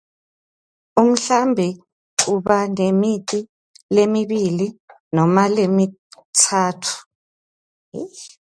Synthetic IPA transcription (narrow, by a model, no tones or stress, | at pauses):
um̩ɬambʱɛ | ǁuβanemiǀi | lemiβili | nɔmalemitʰaːtʰu̥